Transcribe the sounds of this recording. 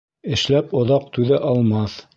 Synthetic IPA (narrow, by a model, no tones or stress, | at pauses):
ɘ̆ʃlæpŏðɑq̚t̪ʉðɘʔɑlˠmɑθ